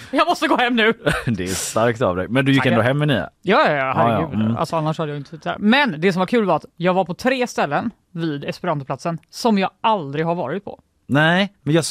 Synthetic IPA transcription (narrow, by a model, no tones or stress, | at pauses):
jɑːmɔst̪əɡoːhɛmːnʉ̟ːd̪ɛæst̪aɾkt̪a̰vd̪ɛ̰mɛnd̪ɵjɪkɛnd̪oːɦɛmːɛniːa̰jɑːhaɾj̰ʉa̰lsɔanːaʂhad̪əjaɡɪnt̪ə̥sʰɪt̪ːd̪æ̰ːɾmɛnd̪ɛs̬ɔmvaɾkʰʉ̟ːlvaɾat̪jɑːɡvaɾpʰɔt̪ʰɾeːst̪ɛlːən | viːd̪ɛspɛɾant̪ʊpʰlat̪sənsɔmjɑːɡald̪ɾɪɡɦaɾvɑ̰ːɾɪt̪̚pʰɔ̰ | nɛɪmɛnjɑː